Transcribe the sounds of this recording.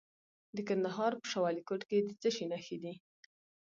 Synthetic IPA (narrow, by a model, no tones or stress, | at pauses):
d̪əkand̪aɦɑɾpə̥ʃawɑlikoʈked̪ət͡səʃinaxed̪i